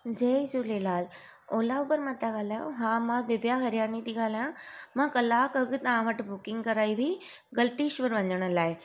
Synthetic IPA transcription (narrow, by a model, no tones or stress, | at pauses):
d͡ʑed͡ʑulelaːl | oːlaupəɾmat̪aɡaːlajõ̰ɦãːmãd̪ɪʋjaɦɐɾjaːnit̪iɡaːlajãmãkɐlaːkɐɡɨt̪ãːʋɐʈbʊkɪ̃ŋɡkɐɾaːiʋʱi | ɡɐlʈiːʃʋəɾʋɐ̃ɲd͡ʑəɽ̃əlaːe